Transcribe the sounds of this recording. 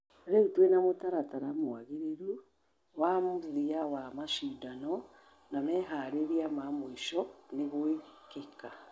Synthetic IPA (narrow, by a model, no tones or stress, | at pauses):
ɾeutwenamotaɾataɾamwaɣeɾeɾu | wamuðiawamaʃidanɔ | namɛɦaɾeɾiamamoiʃɔneɣoeikeka